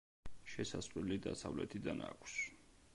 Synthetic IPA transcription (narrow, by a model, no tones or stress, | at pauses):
ʃɛsasʼqʼlilid̪asavlɛt̪ʰid̪anakʷʰs